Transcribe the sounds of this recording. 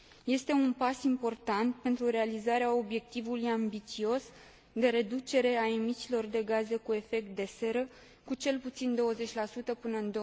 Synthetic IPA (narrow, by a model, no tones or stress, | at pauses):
je̞st̪e̞unpasimpo̞rt̪ant̪̚pe̞nt̪ɾuɾe̞alizaɾeao̞bje̞k̚t̪ivulujambit̪sio̞s | d̪e̞ɾe̞d̪ut͡ʃe̞ɾe̞aemit͡ʃilo̞rd̪e̞ɡaze̞kue̞fe̞k̚t̪̚d̪e̞se̞ɾə | kut͡ʃe̞lput̪sind̪o̞wəze̞t͡ʃʲlasut̪əpɨnəɨnd̪o